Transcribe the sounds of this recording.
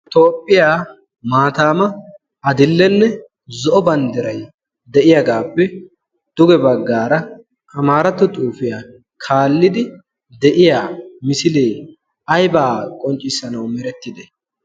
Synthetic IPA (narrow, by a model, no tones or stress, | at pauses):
ɪt̪o̞ːpʼːɪjaː | maːt̪aːmɐ | ɐd̪ɪlːɛnːɛ | zɔʔɔbɐnd̪ɪɾɐj | d̪ɛʔɪjɐɡaːpːɛ | d̪̥ʊɡɛbɐɡːaːɾɐ | ʔɐmaːɾɐt̪ːɔt̪ʼuːfɪja | kʰaːlːɪd̪ɪ | d̪ɛʔɪjaːmɪsɪleː | ɐjbaːkʼɔnt͡ʃʼːɪsːɐnɐwmɪɾɛt̪ːɪd̪ɛ